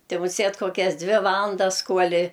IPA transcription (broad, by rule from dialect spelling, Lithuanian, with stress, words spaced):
ˈtʲɪ mʊˈsʲeːt koːˈkʲɛs ˈdʲʋʲɪ ˈʋɑːlˠɐndɐs ˈkuɔlʲɪ